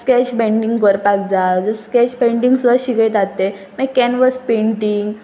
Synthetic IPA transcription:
skɛt͡ɕbẽɳɖiŋɡkəɾpak̚d͡zad͡zəskɛt͡ɕbeɳɖiŋɡsud̪ʱaɕikət̪at̪e | məkɛnʋəspẽɳʈiŋɡ

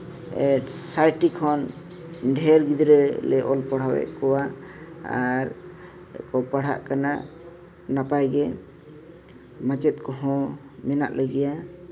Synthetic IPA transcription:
ɛʈsajʈikʰɔn | ɖʱɛɾɡid̪ɾɛlɛʔɔlpɔɽ̤awɛ̰ʔkɔwaaɾ | ɛ̰kɔpaɽ̤a̰ʔkana | napajɡɛ | mat͡ʃɛt̪̚kɔɦɔ̃ | mɛna̰ʔləɡɛja

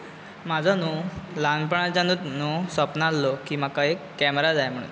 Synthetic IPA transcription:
mad͡zʱanulanpəɳ̃at͡ɕjanut̪nuːsəpnalːokiːmakaekːɛməɾad͡zajm̤əɽ̃ṵːn

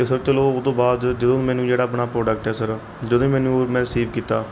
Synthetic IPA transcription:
t̪esəɾt͡ʃəloːoːt̪õːbaːd̪d͡ʒəd̪õːmɛːnũːd͡ʒeːɽaːəpɳaːpɾoːɖək̚ʈɛːsəɾ | d͡ʒəd̪õːmɛːnũːmɛ̃ːɾɪsiːʋkiːt̪aː

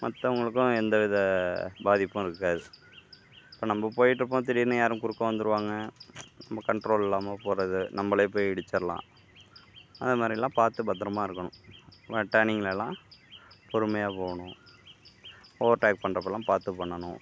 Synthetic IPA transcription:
mɐt̪ːɐʊŋɡɐɭɯkːʊ̃ɛnd̪ɐʋɪðɐbaːðɪpːʊ̃ɪɾɯkːaːðɯ | ɪpːoːnɐmːɐpoːjɪʈːɾɯp̬ːõːt̪ɛɾɪjɾnɯjaːɾɯ̃mkʊɽɯkːʊ̃ʋɐnd̪ɯɾɯʋaːŋɡɐnɐmbːɐkɐɳʈɾoːlɛlːaːmɐpoːɾɐðɯnɐmːɐɭepoːjɪɽɯt͡ʃːɐɾɐlã̰ː | ɐðɯmaːd̪ɾɪlːãːpaːɾt̪ɯbɐt̪ːɐɾɐmaːɪɾɯkːɐɳʊ̰̃ʋɛʈːaːnɪŋɡɐlɛlːãː | pɔɾɯmɐjaːpoːɣɳʊ̃ | oːʋɾʈaːk̚pɐɳrɐpːɛlːãːpaːɾt̪ɯpɐɳːɐɳʊ̃

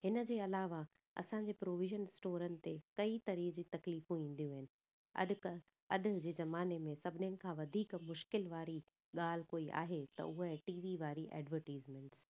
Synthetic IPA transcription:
ɦɪnə̆d͡ʑeːɐlaːʋa | ɐ̰sãːɲd͡ʑeːpɾoːʋɪʒənɪsʈoːɾənɪ̆t̪ekɐit̪ɐɾiːd͡ʑiːt̪ɐkliːfũĩːn̆d̪ijũɦɪnɪ̆ | ɐ̰ɗk | ɐɗd͡ʑeːzɐmaːnemẽsɐbʱɪnɪjənɪ̆kʰãʋɐd̪ʱiːkmʊʃkɪlʋaːɾi | ɠaːl̤koːiʔa̰ːɦet̪ɐ̰ʊɦəʈiːʋiʋaːɾiʔɛ̰ːɖʋəɾʈiːzmẽɳʈs

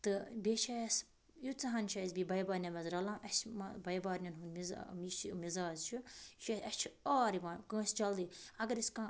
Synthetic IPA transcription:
t̪ɨbeʃʰas | jut͡sɐɦɐnʃʰɐjɐsbiːbɐjbaːɾnʲɐmɐzɾɐlãːʔɐsmɐbɐjbaːɾnʲɐnɦunmiz̰miʃimizaːzt͡ʃʰuʃʰɐɐst͡ʃʰaːɾiʋãːnkɨ̃ːst͡ʃɐld̪iːɐɡɐɾiskãː

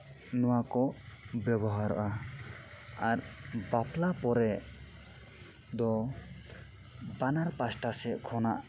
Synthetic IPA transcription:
nɔwakɔbjɛbɔɦaɾɔ̰ʔa | aɾbapʰlapɔɾɛʔ | d̪ɔ | banaɾpasʈasɛkʰɔnaʔ

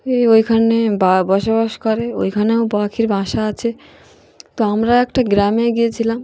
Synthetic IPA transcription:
eojkʰanebabɔʃobaʃkɔɾeo̰jkʰaneobakʰiɾbʱãʃaat͡ɕʰe | t̪oamɾaɛkʈaɡɾameɡiet͡ɕʰilam

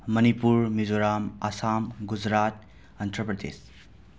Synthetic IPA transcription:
mɐnipuɾmid͡ʒoɾamɐsamɡud͡ʒɾat̪̚ | ɐnt̪ʰɾəpɾɐd̪ḛs

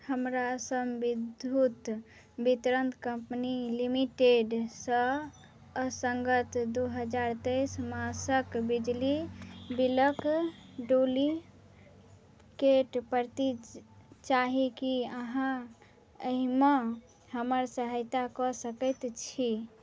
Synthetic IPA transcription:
həmɾasəmbid̪ʱut̪ | bit̪ɾənt̪kəmpnilimiʈeɖsə | səŋɡət̪d̪uɦəd͡ʒaɾt̪əɪsmasəkbid͡ʒlibiləkɖoli | keʈpəɾt̪i | t͡ʃaɦikiəɦã | əɦime | həməɾsəɦəjt̪akɔsəkət̪t͡ʃʰi

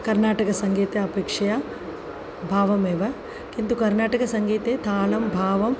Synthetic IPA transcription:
kɐɾnaːʈɐkɐsɐŋɡiːt̪eɐpeːkʂɐja | bʱaːʋɐmeːʋɐ | kint̪ukɐɾnaːʈɐkɐsɐŋɡiːt̪eːt̪ʰaːlɐmbʱaːʋɐm

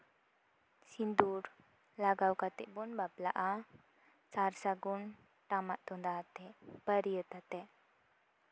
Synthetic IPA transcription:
sind̪uɾ | laɡawkat̪eʔbunbapla̰ʔa | t͡saɾsaɡun | ʈamaʔt̪und̪aːt̪ɛpəɾijət̪at̪ɛ

